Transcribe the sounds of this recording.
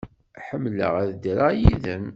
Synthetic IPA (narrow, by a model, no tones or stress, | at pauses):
ħəmːlə̰ʁæðd̪ɾajiðən